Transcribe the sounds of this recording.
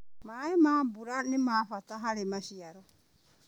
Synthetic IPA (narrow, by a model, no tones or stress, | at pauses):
maemaːbuɾanemaːpataɦaɾemasiaɾo